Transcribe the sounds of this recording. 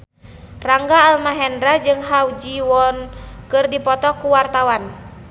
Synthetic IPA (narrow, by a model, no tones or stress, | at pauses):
raŋɡaːlmaɦɛndɾad͡ʒɨŋɦawd͡ʒiwɔnkɨrdipɔt̪ɔkuwart̪awan